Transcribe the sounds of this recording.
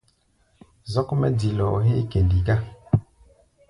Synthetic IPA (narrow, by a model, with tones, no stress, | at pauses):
zɔ˦kmɛ˦di˨lɔ̰˨ɦe˦ke˨ndi˨ɡa˦